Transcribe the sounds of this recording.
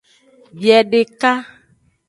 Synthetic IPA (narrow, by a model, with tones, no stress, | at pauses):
bjɛ˨ɖe˨ka˦